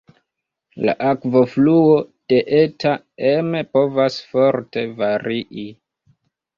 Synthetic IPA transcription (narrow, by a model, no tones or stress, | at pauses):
la̰ʔakvo̞fluo̞d̥e̞ʔeta | emepo̞vasfo̞ɾte̞vaɾiʔi